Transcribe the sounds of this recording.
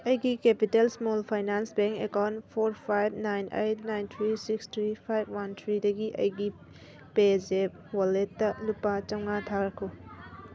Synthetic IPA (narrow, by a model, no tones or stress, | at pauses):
ɐjɡikepitelsmolpʰajnansbeŋkekawntpʰoɾpʰajb̚najnʔejt̚ʰnajnt̪ʰɾisikstʰɾipʰajb̚ʱwantʰɾidɐɡiʔɐ̰jɡi | pezep̚ | waletːɐlupat͡ʃɐwŋatʰaɾɐkʰo